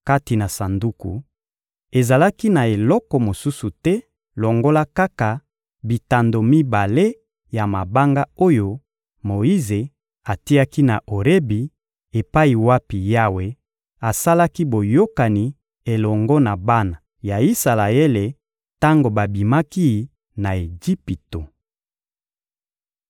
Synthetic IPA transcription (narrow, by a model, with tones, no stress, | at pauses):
ka˦ti˨na˨sa˨ndu˦ku˨ | e˨za˨la˦ki˦na˨e˨lɔ˦kɔ˨mo˨su˦su˨tɛ˦ | lɔ˨ŋɡo˦la˦ka˦ka˨ | bi˨ta˨ndo˨mi˦ba˨le˦ | ja˨ma˨ba˦ŋɡa˦o˦jo˦ | mo˨i˦ze˨ | a˨ti˦a˦ki˦na˨ʔo˨ʁe˦bi˨ | e˨pa˦i˨wa˦pi˨ja˦we˦ | a˨sa˦la˦ki˦bo˨jo˦ka˨ni˨ | e˨lɔ˨ŋɡɔ˦na˨ba˦na˨ | ja˨i˦sa˨la˨e˦le˨ | ta˦ŋɡo˨ba˨bi˨ma˦ki˦˨ | na˨e˨d͡ʒi˦pi˨to˨